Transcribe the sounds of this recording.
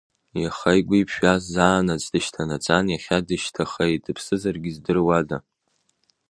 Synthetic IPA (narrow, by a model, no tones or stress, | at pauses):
jaχajkʷʼipʰʃᶣaszaːnat͡sʼdɨʃtʰanat͡sʼanjaχʲadɨʃtʰaχajdɨpʰsɨzarɡʲizdɨrwada